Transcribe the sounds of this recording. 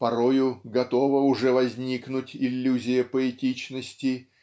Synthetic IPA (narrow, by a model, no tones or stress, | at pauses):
pɐɾojʊɡɐt̪o̞vəʊʐɛvɐzʲnʲiknʊtʲɪlʲːuzʲɪjəpəɛtʲit͡ɕnəsʲtʲɪ